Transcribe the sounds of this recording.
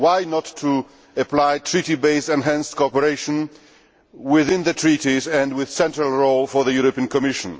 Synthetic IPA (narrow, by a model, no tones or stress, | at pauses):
waɪnɔtʰːu | əplaɪtʰɹ̥itibeɪsɛ̃nɦæ̃nskʰoɔpəɹeɪʃə̃n | wɪðɪ̃nðɨtʰɹ̥itizɛ̃ndwɪð̥sɛ̃ntɹalˠɹoʊlˠfɔ˞ðəjuɹɔpĩə̃nkʰɔmɪʃə̃n